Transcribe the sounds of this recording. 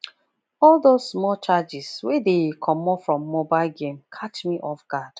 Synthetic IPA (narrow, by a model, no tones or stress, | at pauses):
ɔldosmɔt͡ʃad͡ʒɪswedekʰɔmɔfɹɔ̃mːobaɪlɡẽmkʰat͡ʃmiʔɔfɡad̥